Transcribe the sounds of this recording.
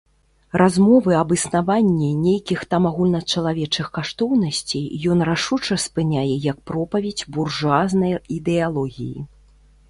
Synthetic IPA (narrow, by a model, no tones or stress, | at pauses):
rʔazmɔvɨɐbɨsnavanʲːinʲejkʲixt̪amaɣulʲnɐt͡ʂɐlˠavʲɛt͡ʂɨxkaʂt̪ɔwnɐsʲt͡sʲejjɔnraʂut͡ʂɐspɨnʲajɛjɐk̚pɾɔpɐvʲed͡zʲburʐaznɐjid̪ɛalˠɔɣʲḭjḭ